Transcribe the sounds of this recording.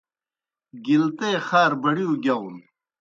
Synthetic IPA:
ɡilt̪eːxaːɾbɐɽiuɡʲɐwn

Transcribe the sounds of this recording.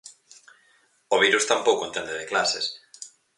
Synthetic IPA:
oβ̞iɾust̪ampowkoẽnt̪end̪eðeklases

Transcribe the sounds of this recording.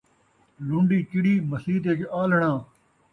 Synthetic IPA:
lʊɳɖiːkɪɽiːməsiːt̪̬eːkeʔaːlɳãː

